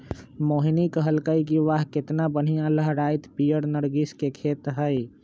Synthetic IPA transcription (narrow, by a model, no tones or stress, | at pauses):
moːɦnikəɦəlkəikiʋaɦkɪt̪nabən̤ijãləɦɾaːɪt̪pijəɽnəɾɡɪskekʰeːt̪ɦəj